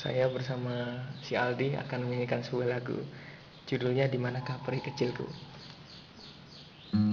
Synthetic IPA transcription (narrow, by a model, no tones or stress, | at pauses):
sa̰jabərsamasialdia̰kanməŋinikansəuɛlaɡṵ | t͡ʃudulɲadimanakahpəɾikət͡ʃɪlkṵ